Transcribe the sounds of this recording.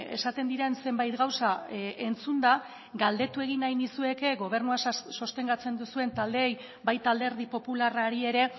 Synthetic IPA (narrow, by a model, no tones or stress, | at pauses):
e̞̰sat̪e̞nd̪iɾe̞nse̞mbajt̪ɡawsae̞nt͡sund̪a | ɡald̪e̞t̪ue̞ɣinajnisue̞ke̞ɣo̞β̞e̞ɾnuaso̞st̪e̞ŋɡat͡se̞nd̪usue̞nt̪ald̪eːj | bajt̪ald̪e̞ɾð̞ipo̞pularaɾie̞ɾe̞